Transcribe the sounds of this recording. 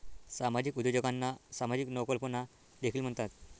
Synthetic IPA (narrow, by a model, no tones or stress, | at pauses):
samad͡ʑikud̪jod͡ʑəɡanːasamad͡ʑiknəwkəlpəna | d̪ekʰiːlm̤əɳt̪at̪